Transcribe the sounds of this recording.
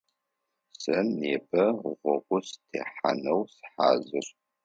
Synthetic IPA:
sɐneːbɐʁʷɔqʷʼʊstʰḛːħa̰nɐwsħa̰ːzɨr

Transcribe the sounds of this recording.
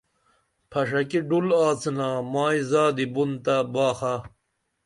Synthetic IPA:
pʰɐʂɐkiɖulaːt͡snaːmaːizaːd̪ibunt̪abaːxa

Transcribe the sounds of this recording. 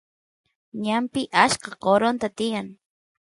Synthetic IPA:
ɲampɪʔaʃqɑqoɾont̪at̪ɪjaŋ

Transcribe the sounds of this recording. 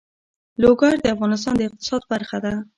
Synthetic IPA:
loɡɑɾd̪əafɣɑnɪs̬t̪ɑnd̪əɪq̚t̪ɪ̥sɑd̪̚baɾxad̪a

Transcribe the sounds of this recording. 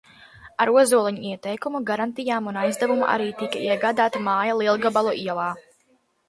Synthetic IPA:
aɾuɔzuɔlˠɛɲuiɛt̪ɛjkumuɡaɾant̪ijaːmunajzd̪avumṵʔa̰ɾiːt̪ikaiɛɡaːd̪aːt̪amaːjalˠiɛlˠɡabalˠɔʔiɛlˠaː

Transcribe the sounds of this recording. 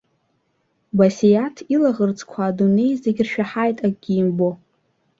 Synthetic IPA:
basejatʰilaʁərt͡sʰʼkʷʰaːdune̞jzeɡʲrʃᶣaħajtʼakʼɡʲiːmbo̞

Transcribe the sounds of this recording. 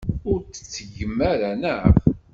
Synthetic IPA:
ʊɾt͡sːə̥t͡sːəʝəmːæɾænəv

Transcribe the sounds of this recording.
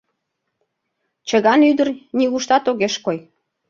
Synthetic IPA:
t͡ɕəɣɑnyd̪ərnʲiɣuʃt̪ɑt̪oɣeʃkoj

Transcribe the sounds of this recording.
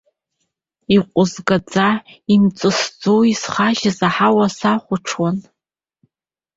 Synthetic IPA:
iqʷʼʊzɡad͡zaimt͡sʼɨsd͡zowisχaʒazaħawasaχʷʊʈ͡ʂʰwan

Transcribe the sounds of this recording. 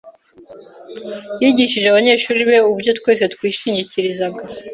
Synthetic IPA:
jiɟiʃiʒeaβaɲe̞ːʃuːɾiβe̞ubɟo̞tkwe̞ːs̬e̞t̪kwiːʃiɲɟiciɾizaɡa

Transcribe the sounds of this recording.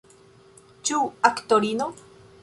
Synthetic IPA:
t͡ʃuakt̪oɾino

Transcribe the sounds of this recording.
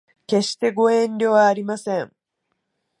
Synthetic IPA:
ke̞ɕi̥t̪e̞ɡo̞ẽ̞nɾʲo̞ːβaːɾʲimasẽ̞ŋ

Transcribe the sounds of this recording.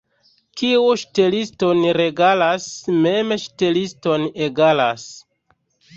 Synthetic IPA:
kiuʃte̞listonɾe̞ɡalasmemʃte̞listoneɡalas

